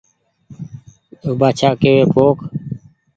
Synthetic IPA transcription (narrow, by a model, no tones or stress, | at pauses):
obaːt͡ʃʰaːkeːʋeːpoːk